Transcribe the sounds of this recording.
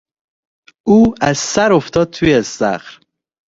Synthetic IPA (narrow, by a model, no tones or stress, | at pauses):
uːæz̥sæɾoft̪ʰɒːd̪̚t̪ʰujesæ̰xɾ